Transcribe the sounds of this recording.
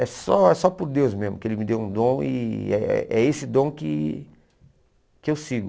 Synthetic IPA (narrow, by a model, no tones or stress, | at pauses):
ɛsɔɛsɔpʊɾd̪ewzmezmʊkɪelɪmɪd̪ewũd̪õw̃ɪ̰ɛɛ̰ɛesɪd̪õkɪ | kɪewsiɡʊ